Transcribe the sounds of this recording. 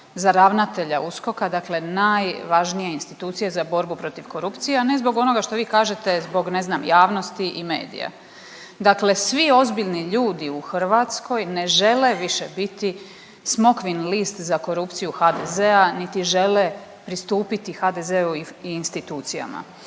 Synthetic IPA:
zaɾaʋnat̪e̞ʎausko̞kad̪akle̞naːjʋaʒnije̞inst̪it̪uːt̪sije̞zabo̞ɾbupɾo̞t̪iʋko̞ɾupt̪sijeane̞zbo̞ɡo̞no̞ɡaʃt̪o̞ʋiːkaːʒe̞t̪ezbo̞ɡne̞znamjaːʋno̞st̪iʔime̞̰ːd̪ḭja̰ | d̪akle̞sʋio̞zbiʎniʎuːd̪iuxr̩ʋat̪skʰo̞jne̞ʒe̞le̞ʋiʃebit̪i | smo̞kʋinlist̪zako̞ɾupt̪sijuxad̪ezeanit̪iʒe̞le̞ | pɾist̪uːpit̪ixad̪ezeuiːnst̪it̪uːt̪sija̰ma̰

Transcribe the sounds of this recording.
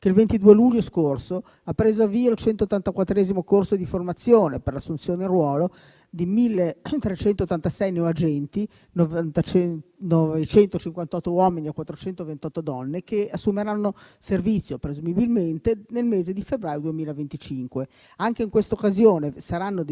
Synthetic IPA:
keilvent̪id̪uːeluʎːoskorso | apːɾeːzoavːiːolt͡ʃɛnt̪oːt̪ːant̪akwat̪ːɾɛːzimokorsod̪iformat̪sːjoːneperlasːunt̪sjoːneirwɔːlo | d̪imilːet̪ɾet͡ʃɛnt̪ot̪ːant̪asɛjneoad͡ʒɛnt̪i | nt̪ | nɔvet͡ʃɛnt̪ot͡ʃiŋkwant̪ɔt̪ːowɔminiekwat̪ːɾot͡ʃɛnt̪ovent̪ɔt̪ːod̪ɔnːekeasːumeɾanːo | servit̪sːjopɾezumibilment̪enelmeːzed̪ifebɾaːjod̪uemiːlavent̪it͡ʃiŋkwe | aŋk̟eiŋkwest̪aokːazjoːnesaɾanːod̪

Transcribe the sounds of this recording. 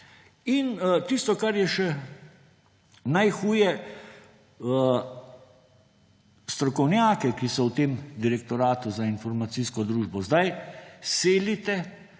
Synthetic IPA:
int̪ist̪ɔkaɾjɛʃɛ | najxuːjɛ | st̪ɾɔkɔwnjaːkɛkisɔwt̪eːmd̪iɾɛk̚t̪ɔɾaːt̪uzainfɔɾmat̪siːskɔd̪ɾuːʒbɔzd̪ajseːlit̪ɛ

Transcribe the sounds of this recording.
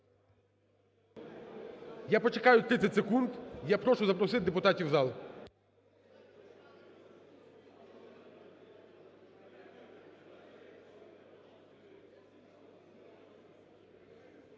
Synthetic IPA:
japɔt͡ʃekɑjʊt̪ɾɪt̪t͡sʲɐtʲsekund̪japɾɔʃʊzɐpɾɔsɪt̪̚ʲd̪epʊt̪ɑtʲiwzɑlˠ

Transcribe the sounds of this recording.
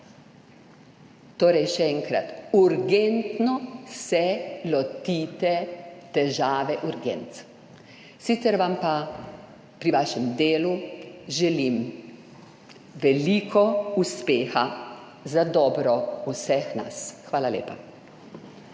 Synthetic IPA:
t̪oːɾɛjʃɛɛŋkɾa̰t̪uɾɡent̪nɔsɛlɔt̪iːt̪ɛt̪ɛʒaːʋɛʔuɾɡɛ̰nt̪ | sit̪sɛɾʋampa | pɾiʋaːʃɛmd̪eːluʒɛlim | ʋɛliːkʰɔuspeːxa | zad̪ɔːbɾɔusɛxna̰sxʋaːlalʲḛːpa

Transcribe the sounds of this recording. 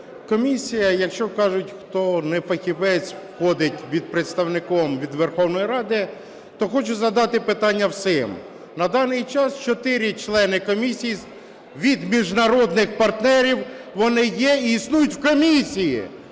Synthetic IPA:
kɔmʲisʲijɐjɐkʃt͡ʃɔkɑʒʊtʲxt̪ɔnɛfɐxʲiʋɛt͡sʲwxɔd̪ɪtʲʋʲid̪̚pɾet̪st̪ɐwnɪkɔmʋʲid̪ʋerxɔwnɔjiɾɑd̪ɪ | t̪ɔxɔt͡ʃʊzɐd̪ɑt̪ɪpɪt̪ɑnʲːɐwsɪm | nɐd̪ɑnɪjt͡ʃɑst͡ʃɔt̪ɪɾʲɪt͡ʃlˠɛnɪkɔmʲisʲiji | ʋʲid̪mʲiʒnɐɾɔd̪nɪxpɐrt̪nɛɾʲiwʋɔnɪjɛiisnujʊtʲwkɔmʲisʲijḭ

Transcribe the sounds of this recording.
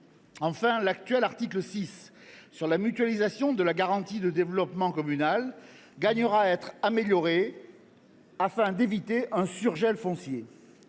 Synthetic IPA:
ɑ̃fɛ̃lak̚t̪ɥɛlaʁt̪ikləsisː | yʁlamyt̪ɥalizasjɔ̃d̪əlaɡaʁɑ̃t̪id̪əd̪evlɔpmɑ̃kɔmynal | ɡaɲəʁaɛt̪χameljɔʁe | afɛ̃d̪evit̪eʔɛ̃syʁʒɛlfɔ̃sje

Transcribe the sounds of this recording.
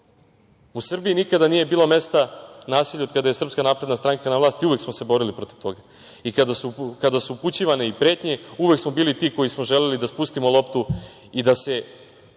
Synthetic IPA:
usr̩biinikad̪anije̞biːlo̞me̞st̪anaːsiʎʲokad̪aje̞sr̩pskanaːpɾed̪nast̪ɾaŋkanaʋlaːst̪iuʋeksmose̞bo̞ɾilipɾo̞t̪i̥ʋt̪o̞ɡa | ikaukad̪asuːput͡ɕiʋaneipɾe̞ːt̪ɲe̞uʋe̞ksmo̞biːlit̪iːko̞jismo̞ʒele̞lid̪aspust̪imolˠo̞pt̪u | id̪ase̞

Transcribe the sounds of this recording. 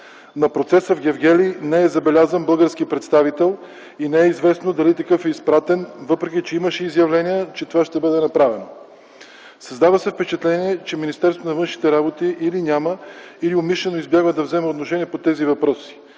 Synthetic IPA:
nɐpɾot̪sɛsəvɡʲɛvɡʲɛlinɛɛzɐbɛlʲazənbɤlˠɡəɾskipɾɛt̪st̪avit̪ɛlˠ | inɛɛizvɛsnod̪ɐlit̪ɐkɤfɛispɾat̪ɛnvɤpɾɛk̟it͡ʃɛiməʃɛizjɐvlɛnijət͡ʃɛt̪ovaʃt̪ɛbɤd̪ɛnɐpɾavɛno | sɐzd̪avəsɛfpɛt͡ʃɛt̪lɛniɛt͡ʃɛminist̪ɛɾst̪vonɐvɤnʃnit̪ɛɾabot̪iʔilinʲaməiliomiʃlɛnoizbjaɡvəd̪ɐvzɛmɛot̪noʃɛniɛpot̪ɛzivɐpɾɔsi̥

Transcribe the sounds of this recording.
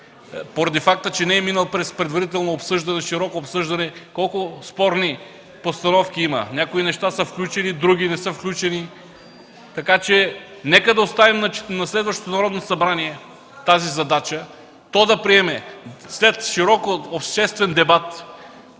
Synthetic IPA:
poɾɐd̪ifak̚t̪ət͡ʃɛnɛɛminəlˠpɾɛspɾɛd̪vɐɾit̪̬ɛlˠnoopsɤʒd̪ɐnɛʃiɾɔkoːpsɤʒd̪ɐnɛkɔlˠkʊspɔɾni | post̪ɐnɔfkʲiimə̰nʲakoinɛʃt̪asəfklʲut͡ʃɛnid̪ɾuɡ̟ʲinɛsəfklʲut͡ʃɛni | t̪ɐkat͡ʃɛ | nɛkəd̪ɐost̪avimnɐnɐslɛd̪vɐʃt̪ot̪onɐɾɔd̪nosɐbɾaniɛ | t̪azizɐd̪at͡ʃə | t̪ɔd̪ɐpɾiɛmɛslɛt̪ʃiɾɔkoopʃt̪ɛst̪vɛnd̪ɛbat̪

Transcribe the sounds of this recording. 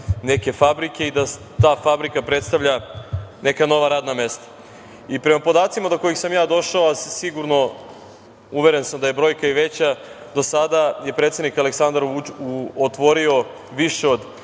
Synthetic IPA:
ne̞ke̞fabɾike̞id̪a | t̪aːfabɾikapɾe̞t̪st̪aʋʎane̞kano̞ʋaɾaːd̪name̞st̪ḁ | ipɾe̞mapo̞d̪aːt̪simad̪oko̞jixsamjaːd̪o̞ʃaosiɡuɾno̞ | uʋeɾe̞nsamd̪aje̞bɾo̞jkaiʋe̞t͡ɕa | d̪o̞sad̪aje̞pɾet̪sed̪nikaleksand̪aɾut͡ʃuot̪ʋo̞ɾio̞ | ʋiʃeod̪

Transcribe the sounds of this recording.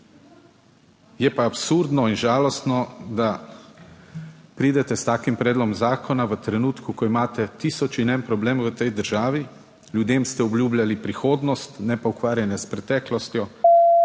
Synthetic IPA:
jɛpaːpsuɾd̪nɔinʒaːlɔst̪nɔd̪a | pɾiːd̪ɛt̪ɛst̪aːkimpɾɛːd̪lɔmzaːkʰɔnaʋət̪ɾɛnuːt̪kukɔimaːt̪ɛt̪iːsɔt͡ʃinɛnpɾɔbleːmʋət̪ɛjd̪əɾʒaːʋi | lʲjud̪eːmst̪ɛɔbljuːblʲjalipɾixoːd̪nɔst̪nɛpaukʋaːɾjanjɛspɾɛt̪ɛːklɔst̪jɔ

